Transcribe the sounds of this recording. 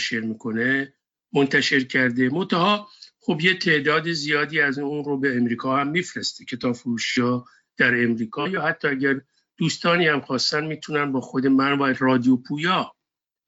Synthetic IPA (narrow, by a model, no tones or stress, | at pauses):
ʃeɾmiːkʰo̞ne | mo̞nt̪ʰæʃe̞ɾcʰæɾd̪emo̞nt̪ʰæhɒːxobjet̪ʰe̞ʔd̪ɒːd̪ezijɒːd̪iːæzunɾobeːmɾiːkʰɒːhæmːiːfɾest̪ecʰe̞t̪ʰɒːfoɾuːʃiɒː | d̪̥æɾe̞mɾiːkʰɒːjɒːhæt̪ʰːɒːæɟæɾ | d̪̥uːst̪ɒːniːhæmxɒːst̪ænd̪miːt̪ʰunænbɒːxod̪e̞mænværɒːd̪ijopʰuːjɒː